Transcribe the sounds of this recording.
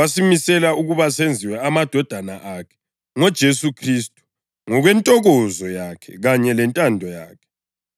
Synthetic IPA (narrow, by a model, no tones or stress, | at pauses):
asimisɛlauɣuβasend͡zʱiwɛamad̥ʱɔd̥ʱanaʔakʰɛ̥ | ŋɔd̥ʒ̥ʱesukʰristʼu̥ | ŋɔɣwɛntʼɔɣɔzɔjakʰɛ̰ɣaɲɛlɛntʼandʱɔjaːkʰɛ̥